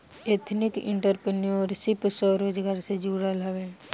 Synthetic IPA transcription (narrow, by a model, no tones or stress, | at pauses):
eːt̪ʰnɪkɪ̰̃ɳʈəɾpeniõɾsɪpsɔːɾoːd͡ʒɡaːɾsed͡ʒuːɽalaʋe